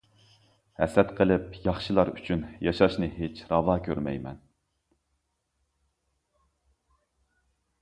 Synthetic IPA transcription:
hɛ̰sɛt̪qʰəlˠɪp̚jɑχʃɨlˠɑɾy̰t͡ʃʰynjɑʃɑʃnɨɦet͡ʃʰɾɑvɑːkʲʰøɾmɛ̰jmɛ̰n

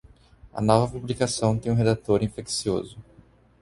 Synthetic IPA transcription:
ɐ̰nɔvɐpublikasɐ̃w̃t̪ẽj̃ũɦed̪at̪oɾĩfeksio̰zʊ

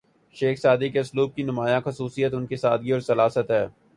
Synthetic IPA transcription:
ʃeːxsaːd̪ikeʊsluːb̚kinʊmaːjãxɐsuːsijət̪ʊnkesaːd̪̚ɡiɔːɾsɐlaːsət̪ɦɛː

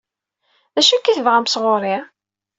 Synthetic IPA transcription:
ðæʃækːiθəvʁamsʁoɾˤi

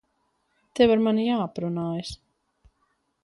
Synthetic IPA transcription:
t̪evaɾmanijaːpɾunaːjs

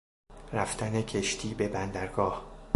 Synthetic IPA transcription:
ræft̪ʰænecʰeʃt̪ʰiːbe̞bænd̪æɾɡɒːh

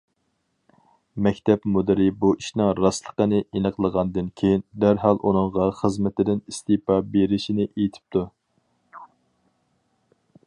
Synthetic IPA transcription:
mɛkʲt̪ʰɛpmud̪ɪɾɪbuiʃnɪŋɾɑslˠəqənɨʔenəqlˠəʁɑnd̪ɨnkʲʰejind̪æɾɦɑlˠʔunɨŋʁɑχəzmɪt̪ʰɪd̪ɪnist̪ɪpɑbeɾɪʃinɪʔejt̪ʰɪ̥p̚t̪ʰu

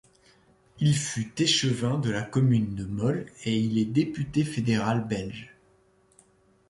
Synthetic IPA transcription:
ilfyt̪eʃəvɛ̃d̪əlakɔmynd̪əmɔleilɛd̪epyt̪efed̪eʁalbɛlʒ

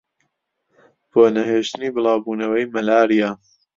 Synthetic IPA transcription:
b̥oːnɐheːʃt̪ɨniːbɨlˠɑːwbuːnɐwɐjmɐlaːɾijaː

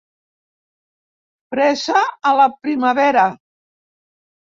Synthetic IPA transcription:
pɾɛsaːlapɾimaβɛɾa

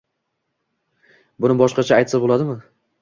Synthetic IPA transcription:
bʊnɪbɒʃqɑt͡ʃʰaːjt̪sɪbolˠad̪ɪmɪ

